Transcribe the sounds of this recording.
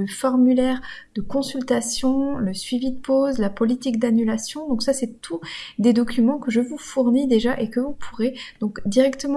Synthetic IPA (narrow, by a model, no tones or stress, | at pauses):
əfɔʁmylɛʁd̪̥əkɔ̃sylt̪asjɔ̃ləsɥivid̪əpozlapɔlit̪ikd̪anylasjɔ̃d̪ɔ̃ksasɛt̪ʰud̪ed̪ɔkʲymɑ̃kəʒəvufuʁnid̪eʒaʔekəvupʰuʁed̪̥ɔ̃kd̪iʁɛkt̪əmɑ̃